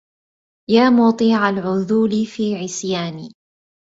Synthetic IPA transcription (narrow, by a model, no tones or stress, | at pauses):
jaːmʊːt̪ˤiːʕalʕʊðuːlifiːʕɪsjaːniː